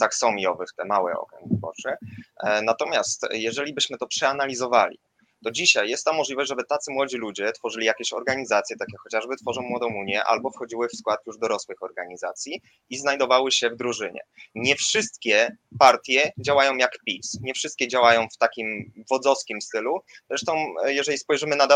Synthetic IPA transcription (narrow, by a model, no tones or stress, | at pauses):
t̪axsɔmʲjɔvɘxt̪ɛmawɛ̰ɔ̰kɾɛ̰ŋɡvɨbɔ̰t͡ʂɛnat̪ɔmʲjast̪jɛʐɛlʲibɘɕmɘt̪ɔpʂɛanalʲizɔvalʲḭ | t̪ɔd͡ʑiɕajːɛst̪ːamɔʐlivɔʑd͡ʑʐɛbɘt̪at̪sɘmwɔd͡ʑilud͡ʑɛt̪fɔʐɘlʲijakʲeɕɔ̰ɾɡaɲizat̪sʲjɛt̪akʲɛxɔt͡ɕaʐbɘt̪fɔʐɔ̃w̃mːwɔd̪ɔ̃w̃uɲjɛʔa̰lbɔfxɔd͡ʑiwɘfskwat̪juʐd̪ɔɾɔswɘxɔɾɡaɲizat̪sʲji | iznajd̪ɔvawɘɕɛvd̪ɾuʐɘɲɛ̰ɲɛfʂɘst̪kʲɛpaɾt̪ʲjɛd͡ʑawajɔ̃w̃jakpʲisɲɛfʂɘst̪kʲɛd͡ʑawajɔ̃w̃ft̪akʲimvɔd̪zɔskʲimst̪ɘluzɾɛʂt̪ɔ̃w̃jɛʐɛlʲispɔjʐɘmɘnad̪a